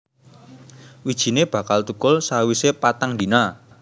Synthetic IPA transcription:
wid̥ʒ̥i̤neb̥ä̤kalt̪ukʊlsawisepat̪aŋd̪ina

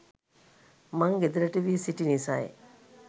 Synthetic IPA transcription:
maŋɡed̪ələʈəʋiəsiʈinisaj

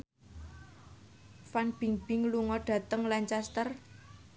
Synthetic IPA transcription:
fanb̥i̤ŋb̥ɪŋluŋɔɖ̥ä̤t̪əŋlaɲt͡ʃast̪ər

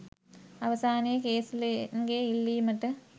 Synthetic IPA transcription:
ɐʋɐsaːnɪjɐkeːsɪlnɡeːɪlːimɐʈːɐ

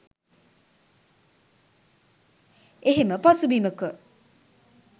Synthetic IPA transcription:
eɦeməpasubiːməkə

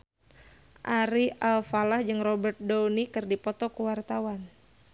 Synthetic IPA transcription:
ʔaɾiʔalfalahd͡ʒɨŋrɔbɛrt̪̚donikɨrdipɔt̪ɔkuwart̪awan

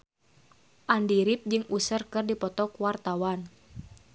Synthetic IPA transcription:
ʔandiɾip̚d͡ʒɨŋusərkɨrdipɔt̪ɔkuwart̪awan

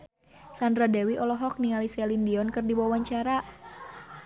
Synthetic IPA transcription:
sandɾadɛwiʔɔlɔɦɔk̚niŋalisɛlindiɔnkɨrdiwawaɲt͡ʃaɾa

